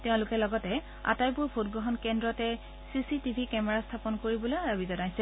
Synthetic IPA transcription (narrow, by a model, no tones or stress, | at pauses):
tɛʊ̃lʊkɛlɔɡɔtɛ | a̰tajpʊɹbʰʱotɡɹɔɦɔnkɛndɹɔtɛ | sisitibʱikɛmɛɹastʰapɔnkoɹibɔlojɹabizɔnajsɛ